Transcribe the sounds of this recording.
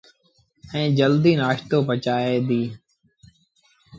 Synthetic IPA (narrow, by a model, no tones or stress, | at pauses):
ɛ̃ːd͡ʒəld̪iːnaːʃt̪oːpət͡ʃaːeːd̪iː